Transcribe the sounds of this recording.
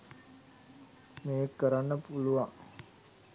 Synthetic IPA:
meːekːəɾanːəpuluʋaŋ

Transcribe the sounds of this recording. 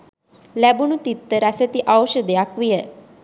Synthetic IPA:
lɛbunut̪it̪ːəɾaset̪iʔawɕəd̪ejakʋijə

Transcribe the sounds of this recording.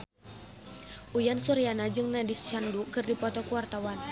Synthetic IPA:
ʔujansuɾianad͡ʒɨŋnadist͡ʃandukɨrdipɔt̪ɔkuwart̪awan

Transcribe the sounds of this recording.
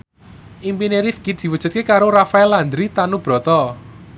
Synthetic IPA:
ʔimpineɾifɡ̥it̪̚d̪̥i̤wud̥ṳt̪̚kekaɾorafaɛland̪ɾit̪anub̥ɾɔ̤t̪ɔ

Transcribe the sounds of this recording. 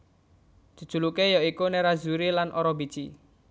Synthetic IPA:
d͡ʒ̥ṳ̥ʒ̥ṳlukejɔikuneɾazuɾilanʔoɾɔbi̥t͡ʃi

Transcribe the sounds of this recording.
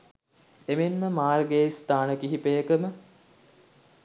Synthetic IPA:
emenməmaːrɡeist̪aːnəkiɦipejəkəmə

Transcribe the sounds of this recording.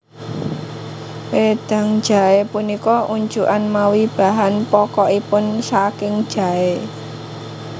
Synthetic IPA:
wed̪̥a̤ŋ̥d͡ʒ̥a̤epunikɔʔuɲd͡ʒuʔanmawib̥a̤ɦanpɔkɔipʊnsakɪŋ̥ʒ̥a̤e

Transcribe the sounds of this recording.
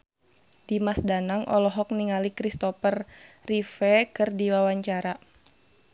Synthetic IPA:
d̥imasdanaŋʔɔ̰lɔɦɔk̚niŋalikɾist̪ɔfərːifɛkɨrdiwawaɲt͡ʃaɾa

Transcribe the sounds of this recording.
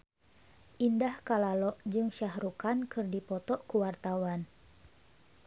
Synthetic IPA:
ʔindahkalalɔʔd͡ʒɨŋʃahɾukankɨrdipɔt̪ɔʔkuwart̪awan

